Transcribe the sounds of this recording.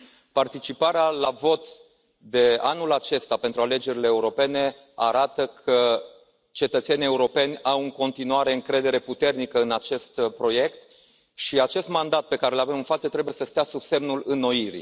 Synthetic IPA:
part̪it͡ʃipaɾealavo̞t̪ | d̪e̞anulat͡ʃe̞st̪ape̞nt̪ɾuale̞d͡ʒe̞ɾileːuɾo̞pe̞ne̞ | aɾat̪əkʰə | t͡ʃe̞t̪ət̪se̞nie̞uɾo̞pe̞nʲawɨŋko̞nt̪inuaɾe̞ɨŋkɾe̞d̪e̞ɾe̞put̪e̞rnikəɨnat͡ʃe̞st̪pɾo̞je̞kt̪ | ʃiat͡ʃe̞st̪mand̪at̪̚pe̞kaɾelave̞mɨnfat̪sət̪ɾe̞buje̞səst̪easubse̞mnulɨnːo̞iɾḭ

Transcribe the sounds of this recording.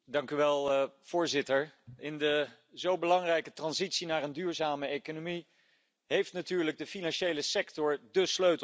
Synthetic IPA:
dɑŋkyʋɛlˠv̥ʊːɹzɪtəɹɪndə | zowbəlɑŋrɛjkətrɑnzitsinaːrəndyːɹzaːməejkonomi | ɦejftnatyːɹləɡ̚dəfinɑnʃejləsɛktɔɹdəsløɥt

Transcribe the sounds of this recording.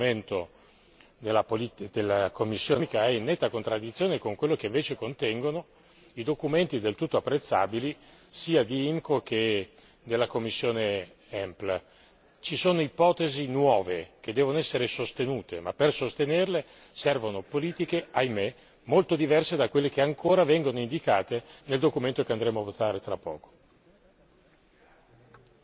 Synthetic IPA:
ment̪o | d̪elːapolid̪elːakomːisːjoːikaɛinːɛt̪ːakont̪ɾad̪ːit̪sjoːnekoŋkwelːokeiɱveːt͡ʃekont̪ɛŋɡono | id̪okument̪id̪elt̪ut̪ːoapːɾet̪sːa̰ːbili | siːad̪iimkoke | d̪elːakomːisːjoːne | ɛmpl | t͡ʃisoːnoipɔːt̪ezinwɔːvek̟ed̪ːɛːvonoɛsːeɾesost̪enuːt̪emapːersost̪enerle | sɛrvonopoliːt̪ikeajme | molt̪od̪ivɛrsed̪akːwelːek̟eaŋkʰoːɾavɛŋɡonoind̪ikaːt̪eneld̪okument̪okeand̪ɾeːmoavot̪aːɾet̪ɾapːɔ̰ːko̥

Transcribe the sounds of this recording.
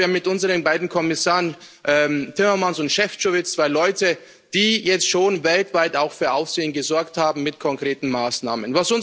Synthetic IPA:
amɪtʔʊnzəʁənbaɪdn̩kʰɔmɪsaːʁən | ʔɛːmtʰɪmɐmansʊntʃɛft͡ʃovɪt͡st͡sv̥aɪlɔʏtə | d̥iːjɛt͡stʃoːnvɛltv̥aɪtaʊxfyːɐʔaʊfz̥eːənɡəzɔɐkthaːbm̩mɪtkʰɔŋkʁ̥eːtn̩maːsna̰ːmənvasʊn

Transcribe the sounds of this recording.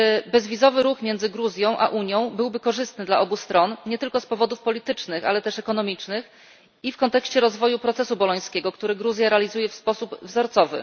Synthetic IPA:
bɛzvʲizɔvɘɾuxmʲjɛnd̪zɘɡɾuzʲjɔ̃w̃ʔa̰ʔuɲjɔ̃w̃bɘwbɘkɔʐɘst̪nɘd̪laʔɔbust̪ɾɔnɲɛt̪ɘlkɔspɔvɔd̪ufpɔlʲit̪ɘt͡ʂnɘxa̰lɛt̪ɛʂɛkɔnɔmʲit͡ʂnɘx | ifkɔnt̪ɛkɕt͡ɕɛɾɔzvɔjupɾɔt̪sɛsubɔlɔj̃skʲɛɡɔkt̪uɾɘɡɾuzʲjaɾɛalʲizujɛfspɔsubvzɔɾt̪sɔvɘ̰

